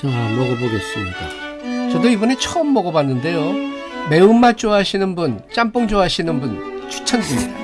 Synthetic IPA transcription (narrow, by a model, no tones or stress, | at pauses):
amʌɡoboɡes͈ɯmika | t͡ɕʌdoibʌnet͡ɕʰʌʌmːʌɡʌbanːɯnde̞jo | me̞umat͡ɕ͈oɦaɕʰinɯnbunt͡ɕ͈amp͈uŋd͡ʑoɦaɕʰinɯnbun | t͡ɕʰu̥t͡ɕʰʌnd͡ʑimɲida